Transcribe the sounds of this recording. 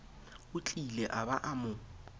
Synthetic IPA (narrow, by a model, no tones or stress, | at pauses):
ʊt͡ɬʼilɛʔabaʔamʊ